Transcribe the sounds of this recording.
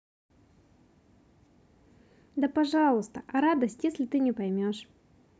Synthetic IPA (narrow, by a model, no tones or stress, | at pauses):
d̪əpɐʐɑlˠʊst̪əʔɐɾad̪əsʲtʲjesʲlʲɪt̪ɨnʲɪpɐjmʲoʂ